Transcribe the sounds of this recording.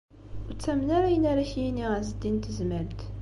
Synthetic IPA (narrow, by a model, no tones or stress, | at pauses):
ut͡sːæmnæɾæjənæɾæçjiniʁæzəd̪ːint̪zmælt̪